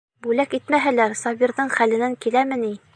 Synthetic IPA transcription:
bʉlækit̪mæɦælæɾsɑbʲiɾðɤɴχælɘ̆næŋkilæmɘni

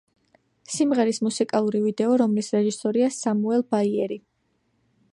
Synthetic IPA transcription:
simʁɛɾismusikʼalˠuɾivid̪ɛɔɾɔmlisɾɛʒisɔɾiasamuɛlˠbaiɛɾi

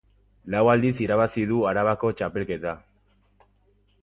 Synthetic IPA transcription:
lawald̪isiɾaβ̞asiðuaɾaβako̞t͡ʃape̞lke̞t̪a

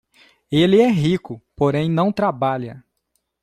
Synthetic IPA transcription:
elɪɛɦikʊpoɾẽj̃nɐ̃w̃t̪ɾabaʎɐ

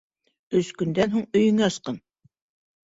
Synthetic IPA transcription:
ɵskɵ̆nd̪ænɦuɴɵ̆jɵ̆ŋæɑsqɤn

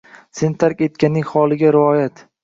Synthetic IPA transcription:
se̞nɪt̪ʰaɾkʲe̞t̪̚kʲanːɪŋhɒlˠɪɡʲaɾɪɒjat̪

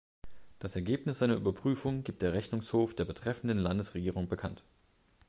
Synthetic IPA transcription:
d̥asɛɐɡeːpnɪsz̥aɪnɐʔyːbɐpʁ̥yːfʊŋɡiːp̚t̚d̥eːɐʁɛçnʊŋshoːfd̥eːɐbətʁ̥ɛfn̩dənlandəsʁeɡiːʁ̞ʊŋbəkʰant

